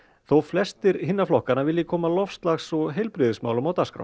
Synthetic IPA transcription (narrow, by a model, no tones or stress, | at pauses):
θowflɛst̪ɪɾhɪnːaflɔhkanavɪlːɪkʰɔːmalɔfst̪laxsɔɣɦejlpɾɪðɪsma̰ːwlʏmawt̪askɾa̰w